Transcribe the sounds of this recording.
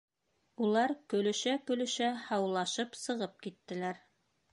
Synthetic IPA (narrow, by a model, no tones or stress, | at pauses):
ulˠɑɾkɵ̆lɵ̆ʃækɵ̆lɵ̆ʃæhɑwlˠɑʃɤpsɤ̆ʁɤp̚kit̪ːɘ̆læɾ